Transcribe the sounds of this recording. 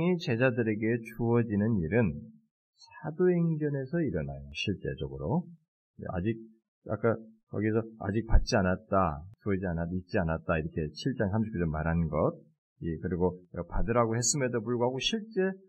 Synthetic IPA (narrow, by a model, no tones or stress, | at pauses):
it͡ɕe̞d͡ʑadɯɾe̞ɡe̞t͡ɕuʌd͡ʑinɯniɾɯn | sʰadoeŋɡjʌne̞sʰʌiɾʌna̰joɕʰiɭt͡ɕ͈e̞̰d͡ʑoɡɯɾo | ḛa̰d͡ʑik̚ | a̰k͈akʌɡis̬ʰʌa̰d͡ʑik̚pat̚t͡ɕ͈ianat̚t͈asoid͡ʑianait̚t͡ɕ͈ianat̚t͈aiɾʌkʰe̞t͡ɕʰiɭt͡ɕ͈aŋsʰamɕ̬ʰi̥pk͈ʰesʌmaɾɦanɡʌt̚ | ikɯɾiɡoʌpadɯɾɦaɡohe̞s͈ɯmedopuɭɡoɦaɡoɕʰiɭt͡ɕ͈e̞